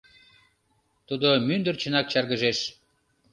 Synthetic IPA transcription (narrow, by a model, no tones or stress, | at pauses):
t̪ud̪omynd̪ərt͡ɕə̆nɑk̚t͡ɕɑrɣə̆ʒeʃ